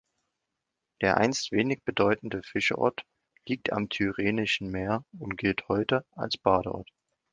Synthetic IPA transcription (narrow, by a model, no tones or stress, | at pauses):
d̥eːɐʔa̰ɪnstv̥eːnɪçb̥ədɔʏtn̩dəfɪʃɐʔɔ̰ɐt | liːk̚tʰa̰mtʰyʁeːnɪʃn̩meːɐʊntɡ̥ɪlthɔʏtəʔa̰lsb̥aːɾəʔɔ̰ɐt